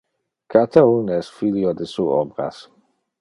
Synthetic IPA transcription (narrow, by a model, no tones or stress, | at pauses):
kat̪aunɛsfiljod̪esuɔ̰bɾa̰s